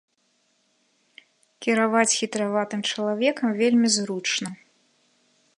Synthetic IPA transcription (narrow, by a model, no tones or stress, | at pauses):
kʲiɾavat͡sʲxʲit̪ɾavat̪ɨmt͡ʂɐlˠavʲɛkɐmvʲelʲmʲizɾut͡ʂnɐ